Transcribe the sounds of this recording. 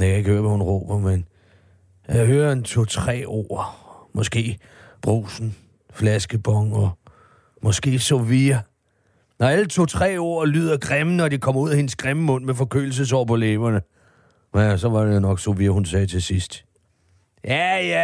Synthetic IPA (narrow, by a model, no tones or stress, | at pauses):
akʰæe̝ɡ̥høːɐʋæhunʁɔ̰b̥ɐmen | jæɦøːɐent͡sʰo̝̰t͡sʰʁɛ̰ːo̝̰ːmɒ̽sɡ̥e̝̰ː | b̥ʁṵːsn̩ | flæsɡ̥əb̥ɒ̽ŋɒ | mɒ̽sɡ̥e̝̰ːsofiɐ | nɒælət͡sʰo̝̰ːt͡sʰʁɛ̰ːo̝̰ːɐly̰ːð̰ˠɐɡ̥ʁɛmnəɒ̽d̥ikʰɒ̽m̰ɐuð̰ˠæhe̝nsɡ̥ʁeməmɔ̽n̰mefɒ̽kʰø̰ːl̩s̬əs̬ɒ̰ːpʰɒleːbɐnə | sɒ̽ʋɑ̈deonɒ̽ɡ̥so̝ʋiːɐhunsɛːt͡sʰe̝sisd̥ | jæjæ